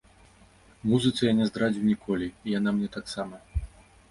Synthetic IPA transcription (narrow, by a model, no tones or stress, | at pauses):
muzɨt̪sɐjanʲɛzd̪ɾad͡zʲiwnʲikʰɔlʲiːjanamnʲɛt̪aksamɐ